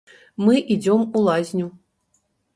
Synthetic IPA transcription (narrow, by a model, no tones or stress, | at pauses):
mɨʔid͡zʲɔmulˠazʲnʲu